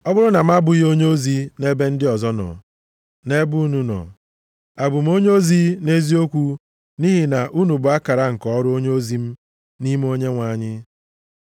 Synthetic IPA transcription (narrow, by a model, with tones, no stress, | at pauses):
ɔ˦bʊ˦ɾʊ˦na˨m̩˦a˦bʊ˨jo˦ɲe˦o˦zi˦ne˦be˦n̩˦dɪ˦ɔ˨zɔ˦nɔ̰˨ | ne˦bu˦nu˦nɔ̰˨ | a˨bʊ˨m̩˦o˦ɲe˦o˦zi˦ne˦zi˦o˦kʷu˦ | ni˦ɦi˦na˨ʔu˦nu˨bʊ˨a˦ka˨ɾa˦ŋ̩˨kɔ˨ɔ˦ɾʊ˦o˦ɲe˦o˦zi˦m̩˦ | ni˦m˦o˦ɲe˦ŋʷa˨ɲɪ˦